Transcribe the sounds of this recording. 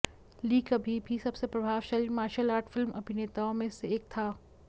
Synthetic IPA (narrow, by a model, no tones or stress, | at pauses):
liːkɐbʱibʱisɐbsepɾɐbʱaːʋʃaːlimaːɾʃəlaːɾʈʰfɪlmʔɐbʱineːt̪aõmẽseeːk̚t̪ʰaː